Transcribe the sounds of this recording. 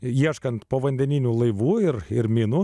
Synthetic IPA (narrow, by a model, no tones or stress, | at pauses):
iɛʃkɐnt̪poːʋɐnʲd̪ʲɛnʲɪnʲuːlˠɐɪʋuːɪɾɪɾmʲɪnu